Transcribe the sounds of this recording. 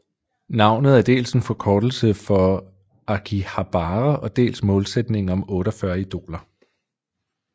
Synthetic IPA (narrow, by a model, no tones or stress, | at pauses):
nɑ̈ʊ̰nð̩ˠæɐd̥e̝̰ːlsenfɒ̽kʰɒːd̥l̩səfɒ̽ | ɑkʰihɑ̈b̥ɑːʁəʔɒ̽d̥e̝̰ːlsmɔ̽ːlsed̥ne̝ŋɒ̽mɔ̽ːɾ̥əɒfɶɐid̥o̝̰ːlɐ